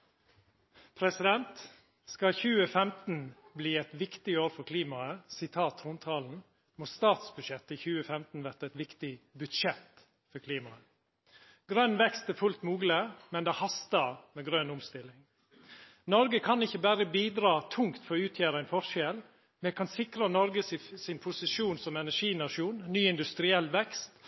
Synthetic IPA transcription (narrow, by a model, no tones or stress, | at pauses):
pʰɾɛsɪd̪ɛnt̪ | skɑçʉːəfɛmt̪n̩bliːɛt̪ʋɪkt̪ɪoːɾfɔɾkʰliːmɑəsɪt̪ʰɑːt̪ɾʊnt̪ʰɑːln̩ | moːst̪ɑːt̪sbʉd̪ʃɛt̪ːɪçʉːəfɛmt̪n̩ʋæɾt̪ɛt̪ʋɪkt̪ɪbʉd̪ʃɛt̪ | fɔɾkʰliːmɑə | ɡɾœnːʋɛkst̪æɾfʉlt̪muːɡləmɛnd̪ɛhɑst̪ɑmɛɡɾœnʊmst̪ɪlːɪŋ | nɔɾɡəkʰɑnɪçːəbæɾəbiːd̪ɾɑːt̪ʰʊŋkt̪fɔɾɔʉːt̪ʰjæːɾəæɪnfɔɾʃɛl | mɛkʰɑnsɪkɾənɔɾɡəsɪnpʰʊsɪʃuːnsɔmɛnæʂiːnɑʂuːnnyːɪnd̪ʉst̪ɾɪɛlːʋɛkst̪